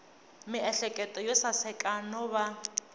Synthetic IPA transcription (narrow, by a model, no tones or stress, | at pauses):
mɪɛɬɛkʼɛtʼɔjɔsasɛkʼanɔβa